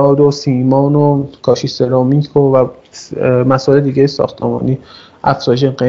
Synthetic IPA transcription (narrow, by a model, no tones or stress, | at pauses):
ɒːd̪osiːmɒːnokʰɒːʃiseɾɒːmiːkʰovæ | mæsɔʔeled̪iːɡejisɒ̰xt̪ʰemɒ̰ːniː | ʔæfzɒːjʃ̬eɢe